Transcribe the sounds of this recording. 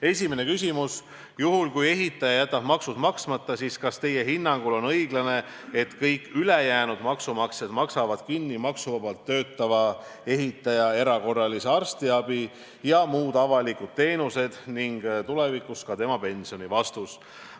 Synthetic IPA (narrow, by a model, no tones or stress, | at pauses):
e̞sʲimene̞kysʲimus | juɦulkuje̞ɦit̪ːˑɑjɑjæt̪ːˑɑb̥mɑksud̪̥mɑksmɑt̪ˑːɑsiskɑst̪e̞je̞ɦinːɑŋɡ̥ulo̞nɤjɡlɑne̞ | et̪kɤjkˑːylejæːnud̪mɑksumɑksed̪mɑksɑvɑd̪̥kinːimɑksuvɑbɑlt̪ːø̞ːt̪ːˑɑvɑ | e̞ɦit̪ːˑɑjɑe̞ɾɑko̞rːɑliseɑrst̪iɑb̥i | jɑmuːd̪̥ɑvɑlikud̪̥̚t̪e̞ːnuse̞d̪̥niŋɡ̥t̪ule̞vikuskɑt̪e̞mɑpe̞nsio̞nivɑst̪us